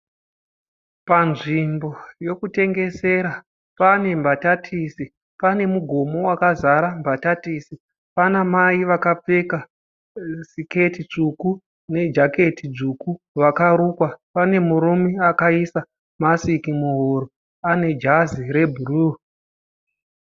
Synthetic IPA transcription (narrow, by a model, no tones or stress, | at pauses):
panʐimbo̞jo̞kute̞ŋɡe̞se̞ɾa | pane̞mbatatʰisi | pane̞muɡʱo̞mo̞wakazaɾambatatisi | panamaiʋakap͡feka | sike̞tit͡ʂuku | ne̞d͡ʒake̞tid͡zuku | ʋakaɾuːkwapane̞muɾumeakaisa | masikimuɦoɾo | ane̞d͡ʒaziɾe̞bʱuru